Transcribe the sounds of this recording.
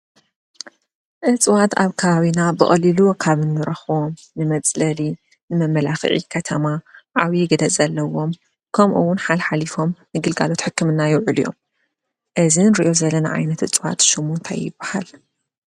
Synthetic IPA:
ʔɨt͡sʼwat̪aβkʰɐβaβinabɨχʼɐlilukʰaβɨnːɨɾɐxom | nɨmɐt͡sʼlɐli | nɨmɐmːɐlaxɨ̰ʕḭkʰɐt̪ʰɐmaʕawiɡɨd̪ɐt͡sʼɐlːɐwo̞m | kʰɐmʔṵwːʊnħalħalifo̞mnɨɡɨlɡa̰lo̞t̪ħɨkːɨmɨnːajɪwʕɨlijo̞̰m | ʔɨzinɾiʔo̞zɐlːɐna̰ʕa̰jnɐt̪ʔɨt͡sʼwa̰t̪ʃɨmunt̪ʰajɪbːaha̰l

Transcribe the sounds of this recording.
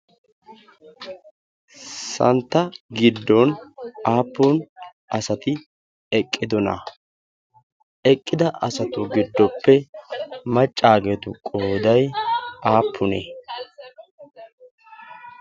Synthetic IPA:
sɐ̰nt̪ːɐɡɪd̪ːɔnaːpːʊn | ɐsɐt̪ɪ | ɛkʼːɪd̪ɔnɐ̰ | ɛkʼːɪd̪ɐʔɐsɐt̪ʊɡɪd̪ːɔpːɛ | mɐt͡ʃʼːaːɡeːt̪ʊkʼoːd̪ɐjaːpʰːʊnḛː

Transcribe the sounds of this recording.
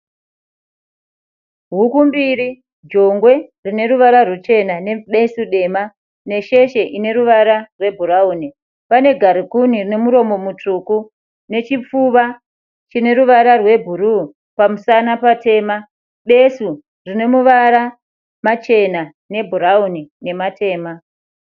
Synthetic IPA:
ɦukumbiɾi | d͡ʒo̞ŋɡwe̞rine̞ɾuʋaɾarut͡ʃe̞nane̞ɓe̞suɗe̞ma | ne̞ʃe̞ʃe̞ʔine̞ɾuʋaɾarwe̞bʱuɾauːni | pane̞ɡʱaɾikunirine̞muɾo̞mo̞mutuku | ne̞t͡ʃip͡fuʋa | t͡ʃine̞ɾuʋaɾarwe̞bʱuɾu | pamusanapate̞ːma | ɓe̞su | rine̞muʋaɾa | mat͡ʃe̞na | ne̞bʱuɾaunine̞mate̞ːma

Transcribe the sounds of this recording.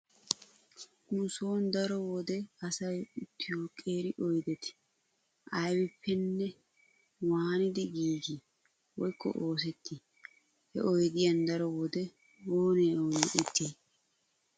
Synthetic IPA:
ʔuːsoːnd̪ɐɾɔwɔd̪ɛɐsɐjɪt̪ʰːɪjoːkʼeːɾɪʔɔjd̪ɛt̪ɪ̥ | ʔɐjwɪpʰːɛnːɛ | waːnɪd̪ɪɡiːɡɪ | wɔjkʰːɔ̰ʔo̞ːs̬ɛt̪ʰːɪ | hɛ̰ʔɔjd̪ɪjɐnd̪ɐɾɔwɔd̪ɛ | oːneːoːnʔɪt̪ʰːiː

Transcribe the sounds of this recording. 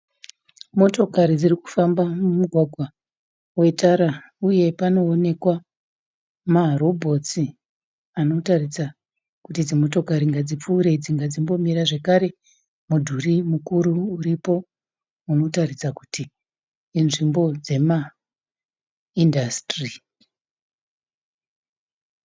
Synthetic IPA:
mo̞to̞kaɾid͡ziriku̥fambamumuɡʱwaɡʱwa | we̞tʰaɾa | uje̞pano̞ːne̞kwa | marobʱo̞t͡si | ano̞tarisa | kutid͡zimo̞to̞kaɾiŋɡad͡zip͡fuːɾe̞d͡ziŋɡad͡zimbo̞miɾaʐe̞kaɾe̞ | mudʱurimukuɾuːɾipo̞ | uno̞tarisaku̥tiː | nʐimbo̞d͡ze̞ma | indastri

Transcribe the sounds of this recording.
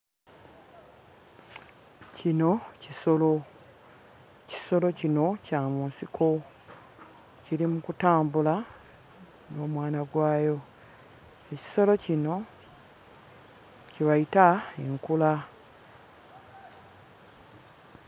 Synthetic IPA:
cino̞ciso̞lo | ci̥so̞lo̞cino̞camuːnsikʰo̞ | ciɾimukutaːmbula | no̞ːmwaːnaɡwaːjo̞ | eci̥so̞lo̞cino̞ | ciβajitaeŋkula

